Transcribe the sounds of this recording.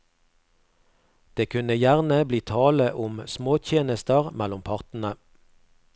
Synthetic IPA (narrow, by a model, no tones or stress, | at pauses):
d̪̥eːkʰʉnəjæʁnəbliːt̪ʰɑːləʔʊmsmoːt̪ʰjeːnəst̪əʁmælʊmpʰɑʁt̪n̩ə